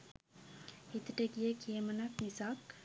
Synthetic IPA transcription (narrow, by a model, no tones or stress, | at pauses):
it̪əʈəɡiəkʰiəmənaknisak